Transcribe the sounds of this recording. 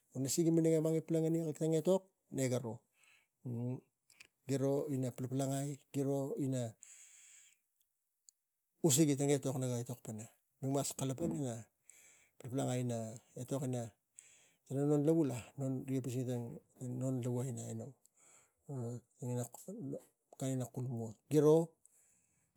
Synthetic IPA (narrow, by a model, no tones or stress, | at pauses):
onasiɡimineŋemaŋiplaŋaniktaŋe̞to̞k̚ | neɡaɾo̞ | ɡiɾo̞inaplaplaŋajɡ̥iɾo̞ina | us̬iɡitaŋe̞to̞knaɡaeto̞k̚pana | numaskalapanana | plaplaŋajnaeto̞kina | tananonlaβulano̞nɾiapisiɡitaŋno̞nlaβuajnaenow | taŋina | kaŋinakulumotɡ̥iɾo̞